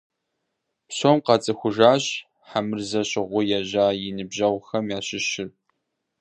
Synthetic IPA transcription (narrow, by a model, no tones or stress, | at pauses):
psoːmqɑt͡sʼɨxʷʊʒaːɕ | ħamɨrzɐɕʼɪʁʷʊjɛʑaːjɪnɨbʑɐwʷxɐmjaːɕɪɕɪr